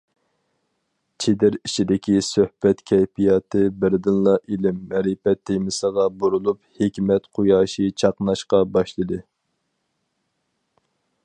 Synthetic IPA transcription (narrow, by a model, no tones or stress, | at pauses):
t͡ʃʰed̪ɪɾit͡ʃʰid̪ɪkʲisøhb̥ɛt̪kʲʰɛjp̪ʰijɑt̪ʰɨbɪɾd̪ɨnlˠɑʔilɪmːɛɾɪpɛt̪ʰːejmɪsəʁɑbuɾulˠuphekʲmɛt̪qʰujɑːʃit͡ʃʰɑqnɑʃqɑbɑʃlˠɨd̪ɨ